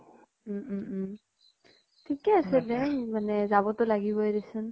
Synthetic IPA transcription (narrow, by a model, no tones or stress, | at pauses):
tʰikɛasɛdɛmanɛzaβɔtʊlaɡibɔjdesɯn